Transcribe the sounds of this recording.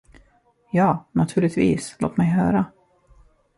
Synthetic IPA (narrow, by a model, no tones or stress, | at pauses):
jɑːnat̪ʰʉ̟ːɭɪɡt̪vḭːslo̰ːt̪mɛjɦœːɾa